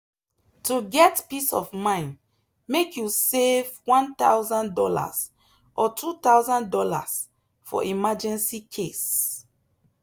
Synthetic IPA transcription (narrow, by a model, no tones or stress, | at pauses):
tʰuɡɛtpisɔ̰vmãɪ̃n | mekjusevwãnt̪awzãndɔla̰s | ʔɔtʰut̪aʊzãndɔla̰s | fɔ̰ʔimad͡ʒɛ̃nsikʰes